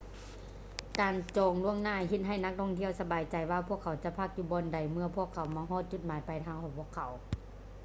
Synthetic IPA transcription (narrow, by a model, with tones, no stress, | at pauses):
kaː˨nt͡ɕɔː˨˩ŋlu˧˥˩əŋnaː˧˩ɦe˧t̪̚ɦa˧˩jna˧˥k̚t̪ʰɔː˧˥ŋt̪ʰi˧˥əwsa˧baː˨jt͡ɕa˨jwaː˧pʰu˧˩əkʰːa˨˩wt͡ɕa˧˦pʰa˧˥k̚juː˧˩bɔː˧˨nda˨˩jmɯ˧ɐpʰu˧˥˩əkʰːa˨˦wmaː˧ɦɔː˧˥˨t̪̚t͡ɕu˧˩t̪̚maː˨˦jpa˨˩jt̪ʰaː˧ŋkʰɔː˨˧˩ŋpʰu˧˩əkʰːa˨˦w